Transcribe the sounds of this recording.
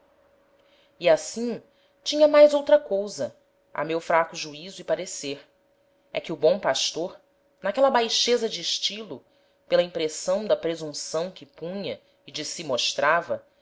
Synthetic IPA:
iasĩ | t͡ʃĩɲɐmajzowt̪ɾɐkowzɐ | a̰mewfɾakʊʒuizʊipaɾeseɾ | ɛ̰kɪubõpaʃt̪oɾ | nakɛlɐbajʃezɐd͡ʒɪːʃt͡ʃilʊ | pelɐĩmpɾesɐ̃w̃d̪ɐpɾezũsɐ̃w̃kɪpũɲɐ | id͡ʒɪsimoʃt̪ɾavɐ

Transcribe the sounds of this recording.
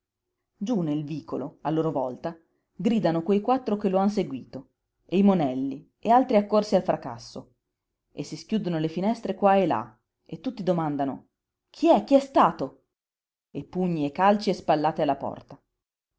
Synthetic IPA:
d͡ʒunelviːkʰoloalːoːɾovɔlt̪a | ɡɾiːd̪anokwejkwat̪ːɾokeloans̬eɡwiːt̪o | ejmonɛlːi | ealt̪ɾiakːorsialfɾʔaka̰sːo̰ | esːiskjuːd̪onolefinɛst̪ɾekwaela̰ | et̪ːut̪ːid̪omand̪ano̰ | kʰiɛk̟ːiɛst̪aːt̪o | epːuɲːiekːalt͡ʃiespalːaːt̪ealːapɔ̰rt̪a

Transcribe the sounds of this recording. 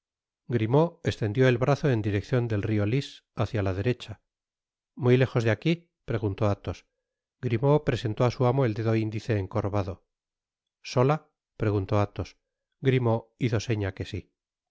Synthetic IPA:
ɡɾimo̞e̞st̪e̞nd̪jo̞e̞lβɾaθo̞e̞nd̪iɾe̞kθjo̞nd̪e̞lrio̞lis | aθjalaðe̞ɾe̞t͡ʃa | mujle̞xo̞zðeaki | pɾe̞ɣunt̪o̞at̪o̞s | ɡɾimo̞pɾe̞se̞nt̪oasuamo̞e̞ld̪e̞ðo̞ind̪iθe̞ːŋko̞ɾβaðo̞ | so̞la | pɾe̞ɣunt̪o̞at̪o̞s | ɡɾimo̞iθo̞se̞ɲake̞si

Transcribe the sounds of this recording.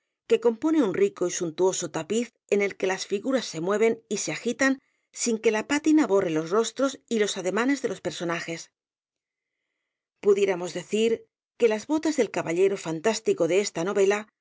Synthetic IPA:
ke̞ko̞mpo̞ne̞unriko̞isunt̪uo̞sot̪apiθ | e̞ne̞lke̞lasfiɣuɾasːe̞mwe̞β̞e̞nise̞axit̪an | siŋke̞lapat̪inaβo̞re̞lo̞sro̞st̪ɾo̞silo̞saðe̞mane̞zðe̞lo̞spe̞ɾso̞naxe̞s | puðje̞ɾamo̞zðe̞θiɾ | ke̞lazβo̞t̪azðe̞lkaβaʎe̞ɾo̞fant̪ast̪iko̞ðe̞est̪ano̞βe̞la

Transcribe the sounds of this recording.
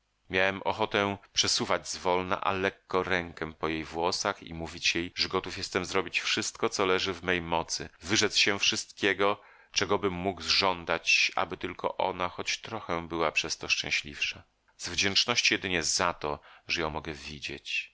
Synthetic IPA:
mʲjawɛmʔɔ̰xɔt̪ɛpʂɛsuvad͡ʑzvɔlna̰ʔa̰lɛkːɔɾɛŋkɛpɔjejvwɔsaxḭmuvʲit͡ɕjejʐɛɡɔt̪ufjɛst̪ɛmzɾɔbʲit͡ɕfʂɘst̪kɔt̪sɔlɛʐɘvmɛjmɔt̪sɘvɘʐɛt̪sɕɛfʂɨst̪̚kʲɛɡɔ | t͡ʂɛɡɔbɘmːuɡzʐɔnd̪at͡ɕa̰bɘt̪ɘlkʰɔ̰ʔɔ̰naxɔt͡ɕt̪ɾɔxɛbɘwapʂɛst̪ɔʂt͡ʂɛ̃w̃ɕlʲḭfʂa | zvd͡ʑɛnt͡ʂnɔɕt͡ɕijɛd̪ɘɲɛzat̪ɔʐɛjɔ̃w̃mɔɡɛvʲid͡ʑḛt͡ɕ

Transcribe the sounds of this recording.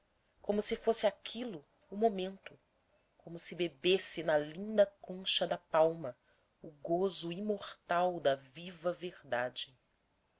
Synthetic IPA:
kõmʊsɪfosɪakʲʰilʊ | umomẽnt̪ʊ | kõmʊsɪbebesɪnɐlĩnd̪ɐkõʃɐd̪ɐpawmɐ | ʊɡozʊimoχt̪awd̪ɐvivɐveɾd̪ad͡ʒɪ

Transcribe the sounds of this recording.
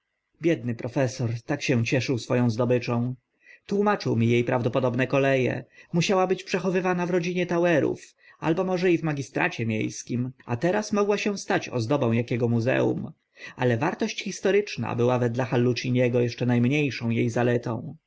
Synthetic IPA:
bʲjɛd̪nɘpɾɔfɛsɔɾt̪akɕɛwt͡ɕɛʂɘwsfɔjɔ̃w̃zd̪ɔbɘt͡ʂɔ̃w̃ | t̪wumat͡ʂɘwmʲijejpɾavd̪ɔpɔd̪ɔbnɛkɔlɛjɛ̰muɕawabɘt͡ɕpʂɛxɔvɘvanavɾɔd͡ʑiɲɛt̪awɛɾṵf | a̰lbɔmɔʐɛivmaɡʲist̪ɾa̰t͡ɕɛmʲjḛjskʲimʔat̪ɛɾasmɔɡwaɕɛ̃st̪at͡ɕɔ̰zd̪ɔbɔ̃w̃jakʲɛɡɔmuzɛ̰ṵm | alɛvaɾt̪ɔɕt͡ɕxʲist̪ɔɾɘt͡ʂna̰bɘwavɛd̪laxalːut͡ɕiɲɛɡɔjɛʂt͡ʂɛnajmɲejʂɔ̃w̃jejzalɛt̪ɔ̰̃w̃

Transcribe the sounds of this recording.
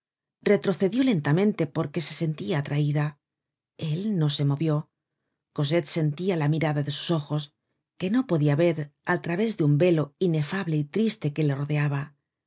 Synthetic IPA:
re̞t̪ɾo̞θe̞ðjo̞le̞nt̪amẽ̞nt̪e̞po̞ɾke̞se̞se̞nt̪iaːt̪ɾaiða | e̞lno̞se̞mo̞βjo̞ | ko̞s̬e̞t̪se̞nt̪ialamiɾaðaðe̞su̥so̞xo̞s | ke̞no̞po̞ðiaβe̞ɾalt̪ɾaβe̞zðeumbe̞lo̞ine̞faβle̞it̪ɾist̪e̞ke̞le̞ro̞ðe̞aβa

